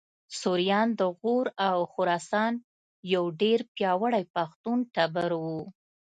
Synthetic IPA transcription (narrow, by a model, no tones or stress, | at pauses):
suɾijɑnd̪əɣoɾawxʊɾɑsɑn | jawɖeɾpjɑwəɽajpaxt̪unʈabəɾwu